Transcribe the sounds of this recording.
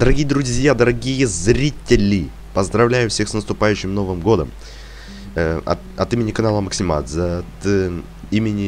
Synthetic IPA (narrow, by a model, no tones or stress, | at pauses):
d̪əɾɐɡʲijəd̪ɾʊzʲjad̪əɾɐɡʲijəzɾʲitʲɪlʲɪ | pəzd̪ɾɐvlʲæjʊfsʲe̞xsnəst̪ʊpajʉɕːɪmno̞vɨmɡo̞d̪ə̰m | ɐ̰ | ɐt̪imʲɪnʲɪkɐnalˠəməksʲɪma̰t̪zɐt̪ | imʲɪnʲɪ